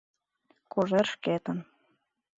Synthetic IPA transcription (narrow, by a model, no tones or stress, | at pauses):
koʒerʃket̪ə̆n